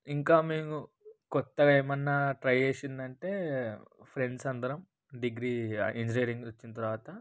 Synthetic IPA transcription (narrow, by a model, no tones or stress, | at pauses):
iŋkaːmeːmu | kɔt̪ːɐɡeːmɐnːaʈɾɐjeːsind̪ɐɳʈe̞ː | pʰɾe̞ɳɖsɐnd̪ɐɾɐm | ɖiɡɾiːind͡ʒiniːɾiŋɡot͡ʃːinɐt̪ɐɾuʋaːt̪ɐ